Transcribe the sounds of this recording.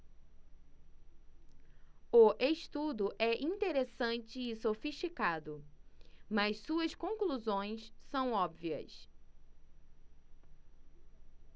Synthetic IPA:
ʊʔeʃt̪ud̪ʊʔɛʔĩnt̪eɾesɐ̃nt͡ʃɪːsofiʃt͡ʃikad̪ʊ | mɐssuɐskõkluzõj̃ssɐ̃w̃ɔbviɐ̰s

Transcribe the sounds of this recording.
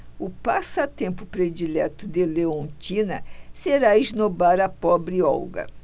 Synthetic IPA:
ʊpasɐt̪ẽmpʊpɾed͡ʒilɛt̪ʊd̪eleõnt͡ʃinɐ̰seɾaiʒnobaɾɐpɔbɾɪɔ̰wɡɐ̰

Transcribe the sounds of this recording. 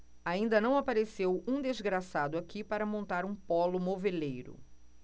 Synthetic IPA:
aĩnd̪ɐnɐ̃w̃apaɾesewũd̪ezɡɾasad̪ʊakʰipaɾɐmõnt̪aɾũpɔlʊmovelejɾʊ̰

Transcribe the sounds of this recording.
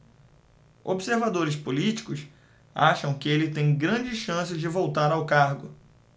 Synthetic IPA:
o̰bseɾvad̪oɾɪspolit͡ʃi̥kʊs | aʃɐ̃w̃kɪelɪt̪ẽj̃ɡɾɐ̃d͡ʒɪʃɐ̃sɪzd͡ʒɪvowt̪aɾawkaɾɡʊ

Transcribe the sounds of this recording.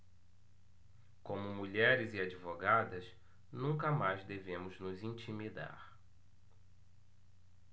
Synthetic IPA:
kõmʊmuʎɛɾɪziad͡ʒivoɡad̪ɐs | nũkɐmajzd̪evẽmʊznʊzĩt͡ʃimid̪a̰ɾ

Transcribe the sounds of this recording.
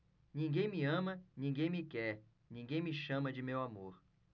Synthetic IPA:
nĩŋɡẽj̃mɪɐ̃mɐnĩŋɡẽj̃mɪkɛɾ | nĩɡẽj̃mɪʃɐ̃mɐd͡ʒɪmewamoɾ

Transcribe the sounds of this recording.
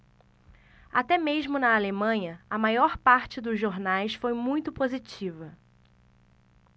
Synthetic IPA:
at̪ɛmeʒmʊnɐalemɐ̃ɲɐɐmajɔɾpaɾt͡ʃɪd̪ʊzʒoɾnajsfojmũj̃t̪ʊpozit͡ʃivɐ

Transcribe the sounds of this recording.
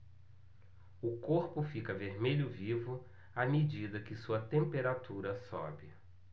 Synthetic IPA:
ʊkoɾpʊfikɐveɾmeʎʊvivʊ | amed͡ʒid̪ɐkɪsuɐt̪ẽmpeɾat̪uɾɐsɔ̰bɪ

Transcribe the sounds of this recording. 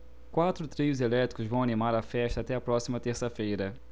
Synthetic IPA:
kwat̪ɾʊt̪ɾiʊzelɛt̪ɾi̥kʊzvɐ̃w̃ɐnimaɾɐfɛʃt̪ɐːt̪ɛɐpɾɔsimɐt̪eɾsɐfejɾɐ

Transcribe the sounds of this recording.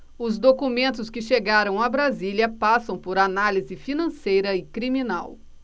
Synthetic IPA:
ʊzd̪okumẽnt̪ʊskɪʃeɡaɾɐ̃w̃abɾaziliɐpasɐ̃w̃poɾanalizɪfinɐ̃sejɾɐɪkɾimĩnaw

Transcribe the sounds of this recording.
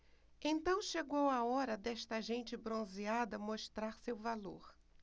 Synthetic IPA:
ẽnt̪ɐ̃w̃ʃeɡowɐɔɾɐd̪ɛʃt̪ɐʒẽnt͡ʃɪbɾõziad̪ɐmoʃt̪ɾaɾsewvalo̰ɾ

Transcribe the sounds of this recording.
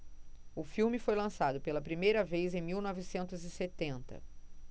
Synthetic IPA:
ʊfiwmɪfojlɐ̃sad̪ʊpelɐpɾimejɾɐvezẽj̃miwnɔvɪsẽnt̪ʊzɪset̪ẽnt̪ɐ̰

